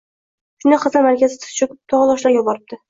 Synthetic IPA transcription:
ʃʊnɪqʰɨzamaɾkʲʰazɪt̪ʰɨ̥ʃʰʊkʊ̥p̚t̪ʰɒʁɑlɒʃlajʲɒbɒɾɪp̚t̪ʰɪ

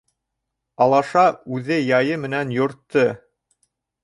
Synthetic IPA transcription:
ɑlˠɑʃɑʉðɘjɑjɤmɘ̆nænjŏɾt̪ːɤ

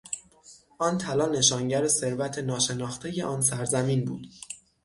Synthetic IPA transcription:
ʔɒːnt̪ʰælɒːne̞ʃɒːŋɟæɾese̞ɾvæt̪ʰe̞nɒːʃe̞nɒːxt̪ʰe̞je̞ʔɒːnsæɾzæmiːnbṵːd̪̥

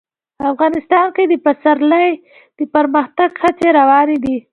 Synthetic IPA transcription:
pafɣɑnɪst̪ɑnked̪əpasaɾlaj | d̪̥əpaɾməxt̪aɡxat͡seɾawɑned̪i

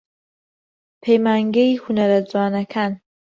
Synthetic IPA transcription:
pʰejmaːŋɡeihunɐɾɐd͡zwaːnɐkʰaːn

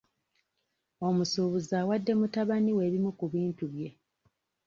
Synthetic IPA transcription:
o̞musuːβuzaːwadːe̞mutaβaniwe̞ːβimukuβiːntuβje̞

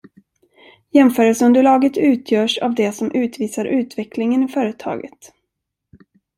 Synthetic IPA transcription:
jɛmfœːɾəlsɵnd̪əlɑːɡət̪ʉ̟ːt̪ʰjœːʂa̰vd̪ɛsɔmʔʉ̟ːt̪viːsaɾʔʉ̟ːt̪vɛklɪŋənɪfœːɾət̪ʰɑ̰ːɡə̰t̪

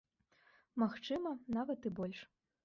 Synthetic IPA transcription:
maxt͡ʂɨmɐnavɐt̪ɨbɔlʲʂ

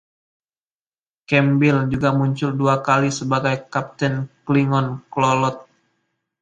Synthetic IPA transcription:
kɛmbɪld͡ʒuɡamuɲt͡ʃʊlduakalisəbaɡajkap̚t̪ɛnkliŋɔnklɔlɔt̪̚

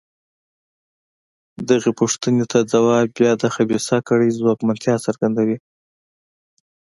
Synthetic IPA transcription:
d̪aɣepuʂt̪ənet̪ʰad͡zawɑbjɑd̪əxabesɑkəɽəjzwɑkmant̪ʰjɑsaɾɡand̪awi

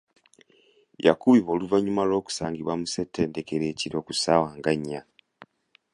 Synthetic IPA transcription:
ja̰kuβiβo̞ːluvaɲumalo̞ːku̥saːŋɡiβwamuse̞tʰːe̞ːndekeɾeːciɾo̞ːkusawaːŋɡaɲːa

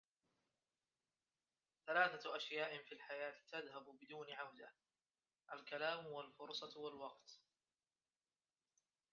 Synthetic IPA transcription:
θalaːθaʔaʃjaːʔɪfiːlħajaːt̪t̪aðhabʊbɪd̪uːnɪʕahd̪ɪh | ʔalkalaːmwalfʊɾsˤɑtwalwɑqt̪

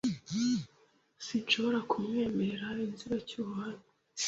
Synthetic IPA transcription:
sinʃo̞βo̞ɾakumŋeːmeɾeɾainziɾacuːhanu

